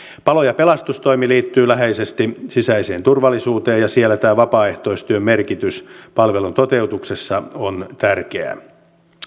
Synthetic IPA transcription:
pɑlojɑpelɑst̪ust̪oimiliːt̪ːyːlæɦeisest̪isisæiseːnt̪urʋɑlːisuːt̪eːjɑsielːæt̪æːʋɑpɑːe̞ht̪oist̪yømmerkit̪yspɑlʋelunt̪ot̪eut̪uksesːɑont̪ærkeæ̰

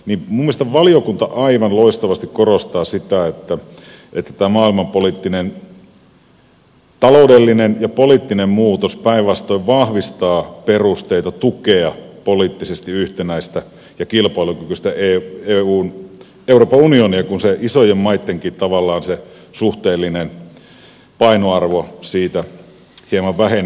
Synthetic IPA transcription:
niːmumːiest̪ɑʋɑlijokunt̪ɑʔɑiʋɑnloist̪ɑʋɑst̪ikkorost̪ɑːsit̪æet̪ːæ | et̪ːæ̥t̪æːmɑːilmɑmpoliːˑt̪ːinen | t̪ɑloudelːinenjɑpoliːt̪ːinemmuːt̪ospæiʋʋɑst̪oiʋʋɑhʋist̪ɑːperust̪eit̪ɑt̪ukeɑpoliːt̪ːisest̪iyht̪enæist̪æ | jɑkilpɑilukykyst̪æeeuːn | euroːpɑunioniɑkunseʔisojemmɑit̪ːeŋkiːt̪ɑʋɑlːɑːnse | suht̪eːlːinen | pɑinoɑrʋosiːt̪æ | hiemɑʋʋæhen

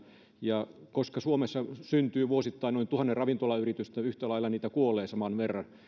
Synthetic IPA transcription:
jɑkoskɑsuomesːɑsynt̪yːʋuosit̪ːɑinoint̪uhɑnːerɑʋint̪olɑyrit̪yst̪æyht̪ælɑilːɑniːt̪ækuolˑeːsɑmɑnʋerːɑn

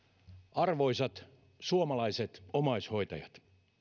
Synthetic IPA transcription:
ɑrʋoisɑt̪ | suomɑlɑiset̪omɑishoit̪ɑjɑt̪

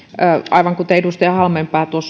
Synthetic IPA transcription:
əʔɑiʋɑŋkut̪eedust̪eɑhɑlmempɑːt̪uos

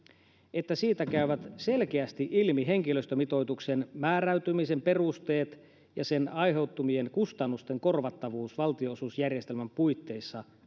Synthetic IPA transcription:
e̞t̪ːæsiːt̪ækæyʋæt̪selk̟eæst̪iʔilmiɦe̞ŋkiløst̪ømit̪o̞jt̪ukse̞nmæːɾæyt̪ymise̞mpe̞rust̪e̞ːt̪ | jɑse̞nɑjɦe̞wt̪ːumie̞nkust̪ɑnːust̪e̞ŋko̞rʋɑt̪ːɑʋuːsʋɑlt̪ioosusjærjest̪e̞lmæmpujt̪ːe̞jsːɑ

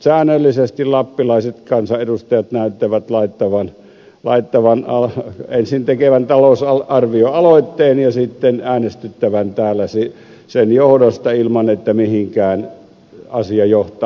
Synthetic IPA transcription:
sæːnølːisest̪illɑpːilɑˑiset̪kɑnsɑʔedust̪ɑjɑt̪næˑyt̪ːeʋæt̪lɑˑit̪ːɑʋɑn | lɑ̰ˑit̪ːɑʋɑnɑensint̪ekeʋænt̪ɑloˑusɑɑrʋioɑloˑit̪ːeːnjɑsit̪ːenæːnest̪yt̪ːæʋænt̪æːlːˑæsi | senjohdost̪ɑilmɑnet̪ːæmihiŋkæːn | ɑsiɑjoht̪ɑ

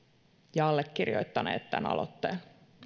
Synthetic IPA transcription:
jɑɑlːekːirjo̰jt̪ːɑnḛːt̪t̪æ̰nɑ̰lo̰t̪ːeːl

